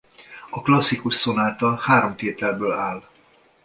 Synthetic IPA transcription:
ɒklɒsːikuʃso̞naːt̪ɒlhaːɾo̞mt̪eːt̪ɛlbøːlaːl

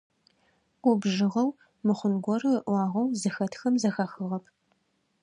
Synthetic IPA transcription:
ʊbʒɨʁɐw | mɨχʷʊnɡʷɔɾɨʔʷɑːʁɐwzɨxɐtxɐmzɐxaːxɨʁɐpʰ

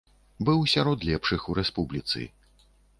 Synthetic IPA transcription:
bɨwsʲaɾɔt̪lʲɛpʂɨxuɾɛspublʲit̪sɨ̰

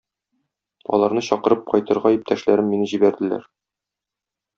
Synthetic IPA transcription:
ɒ̰lˠɑɾnɤɕɒqɤ̆ɾɤp̚qɒjt̪ɤ̆ɾʁɑip̚t̪æʃlæɾɘmːinɘʑibæɾd̪ɘ̆læ̰ɾ

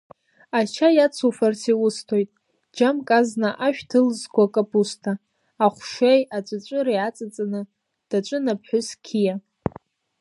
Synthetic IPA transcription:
at͡ʃʰajat͡sʰufartʰiwʊstʰo̞jtʼ | d͡ʒamkʼaznaʔaʃᶣtʰɨlzkʷʰakʼapʼustʰaː | χʷʃejat͡ʃʷʼat͡ʃʷʼɨɾejat͡sʼat͡sʼanɨ | d̥at͡ʃʷʼɨnapʰħʷʊskʲʰija

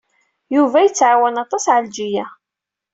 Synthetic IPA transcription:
juvæjət͡sːʕawænɑt̪ˤɑsʕald͡ʒijæ

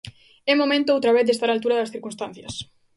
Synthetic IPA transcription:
ɛmomẽnt̪oowt̪ɾaβeθðest̪aɾalt̪uɾaðɐsθiɾkunst̪an̟θjɐs

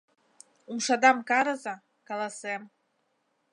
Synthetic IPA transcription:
umʂad̪amkaɾɤza | kalˠasem

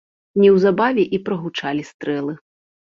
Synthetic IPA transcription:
nʲiwzabavʲiʔipɾɐɣut͡ʂalʲist̪ɾɛlˠɨ

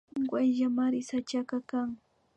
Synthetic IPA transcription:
ŋɡwajʒamaɾɪsat͡ʃakakaŋ

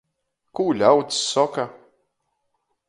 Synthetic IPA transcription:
kuːlʲawt̪ːɔka

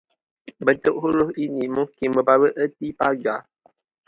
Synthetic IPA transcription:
bəntoʔɦuɾohinimukiməbawəʔətipad͡ʒa

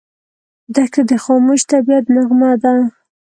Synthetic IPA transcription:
d̪akad̪əxɑmuʃt̪abijat̪naɣmad̪a

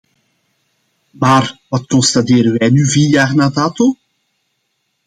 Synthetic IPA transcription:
maːrʋɑt̚kɔnstateːɾənʋɛjnyviːjaχnadaːto

